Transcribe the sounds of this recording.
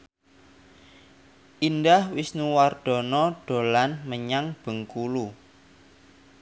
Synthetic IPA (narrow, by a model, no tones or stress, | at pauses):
ʔindahwisnuward̪̥ɔ̤nɔɖ̥o̤lanməɲaŋb̥ə̤ŋkulu